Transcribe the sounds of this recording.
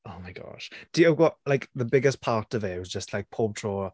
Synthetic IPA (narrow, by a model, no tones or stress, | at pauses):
oʊmaɪɡɔ̰ʃd̥iəɡɔlajkðəbɪɡɪspʰaːˑtəvɛwɪzd͡ʒəstʰlajk̚pʰoːb̚tʰɹ̥ɔː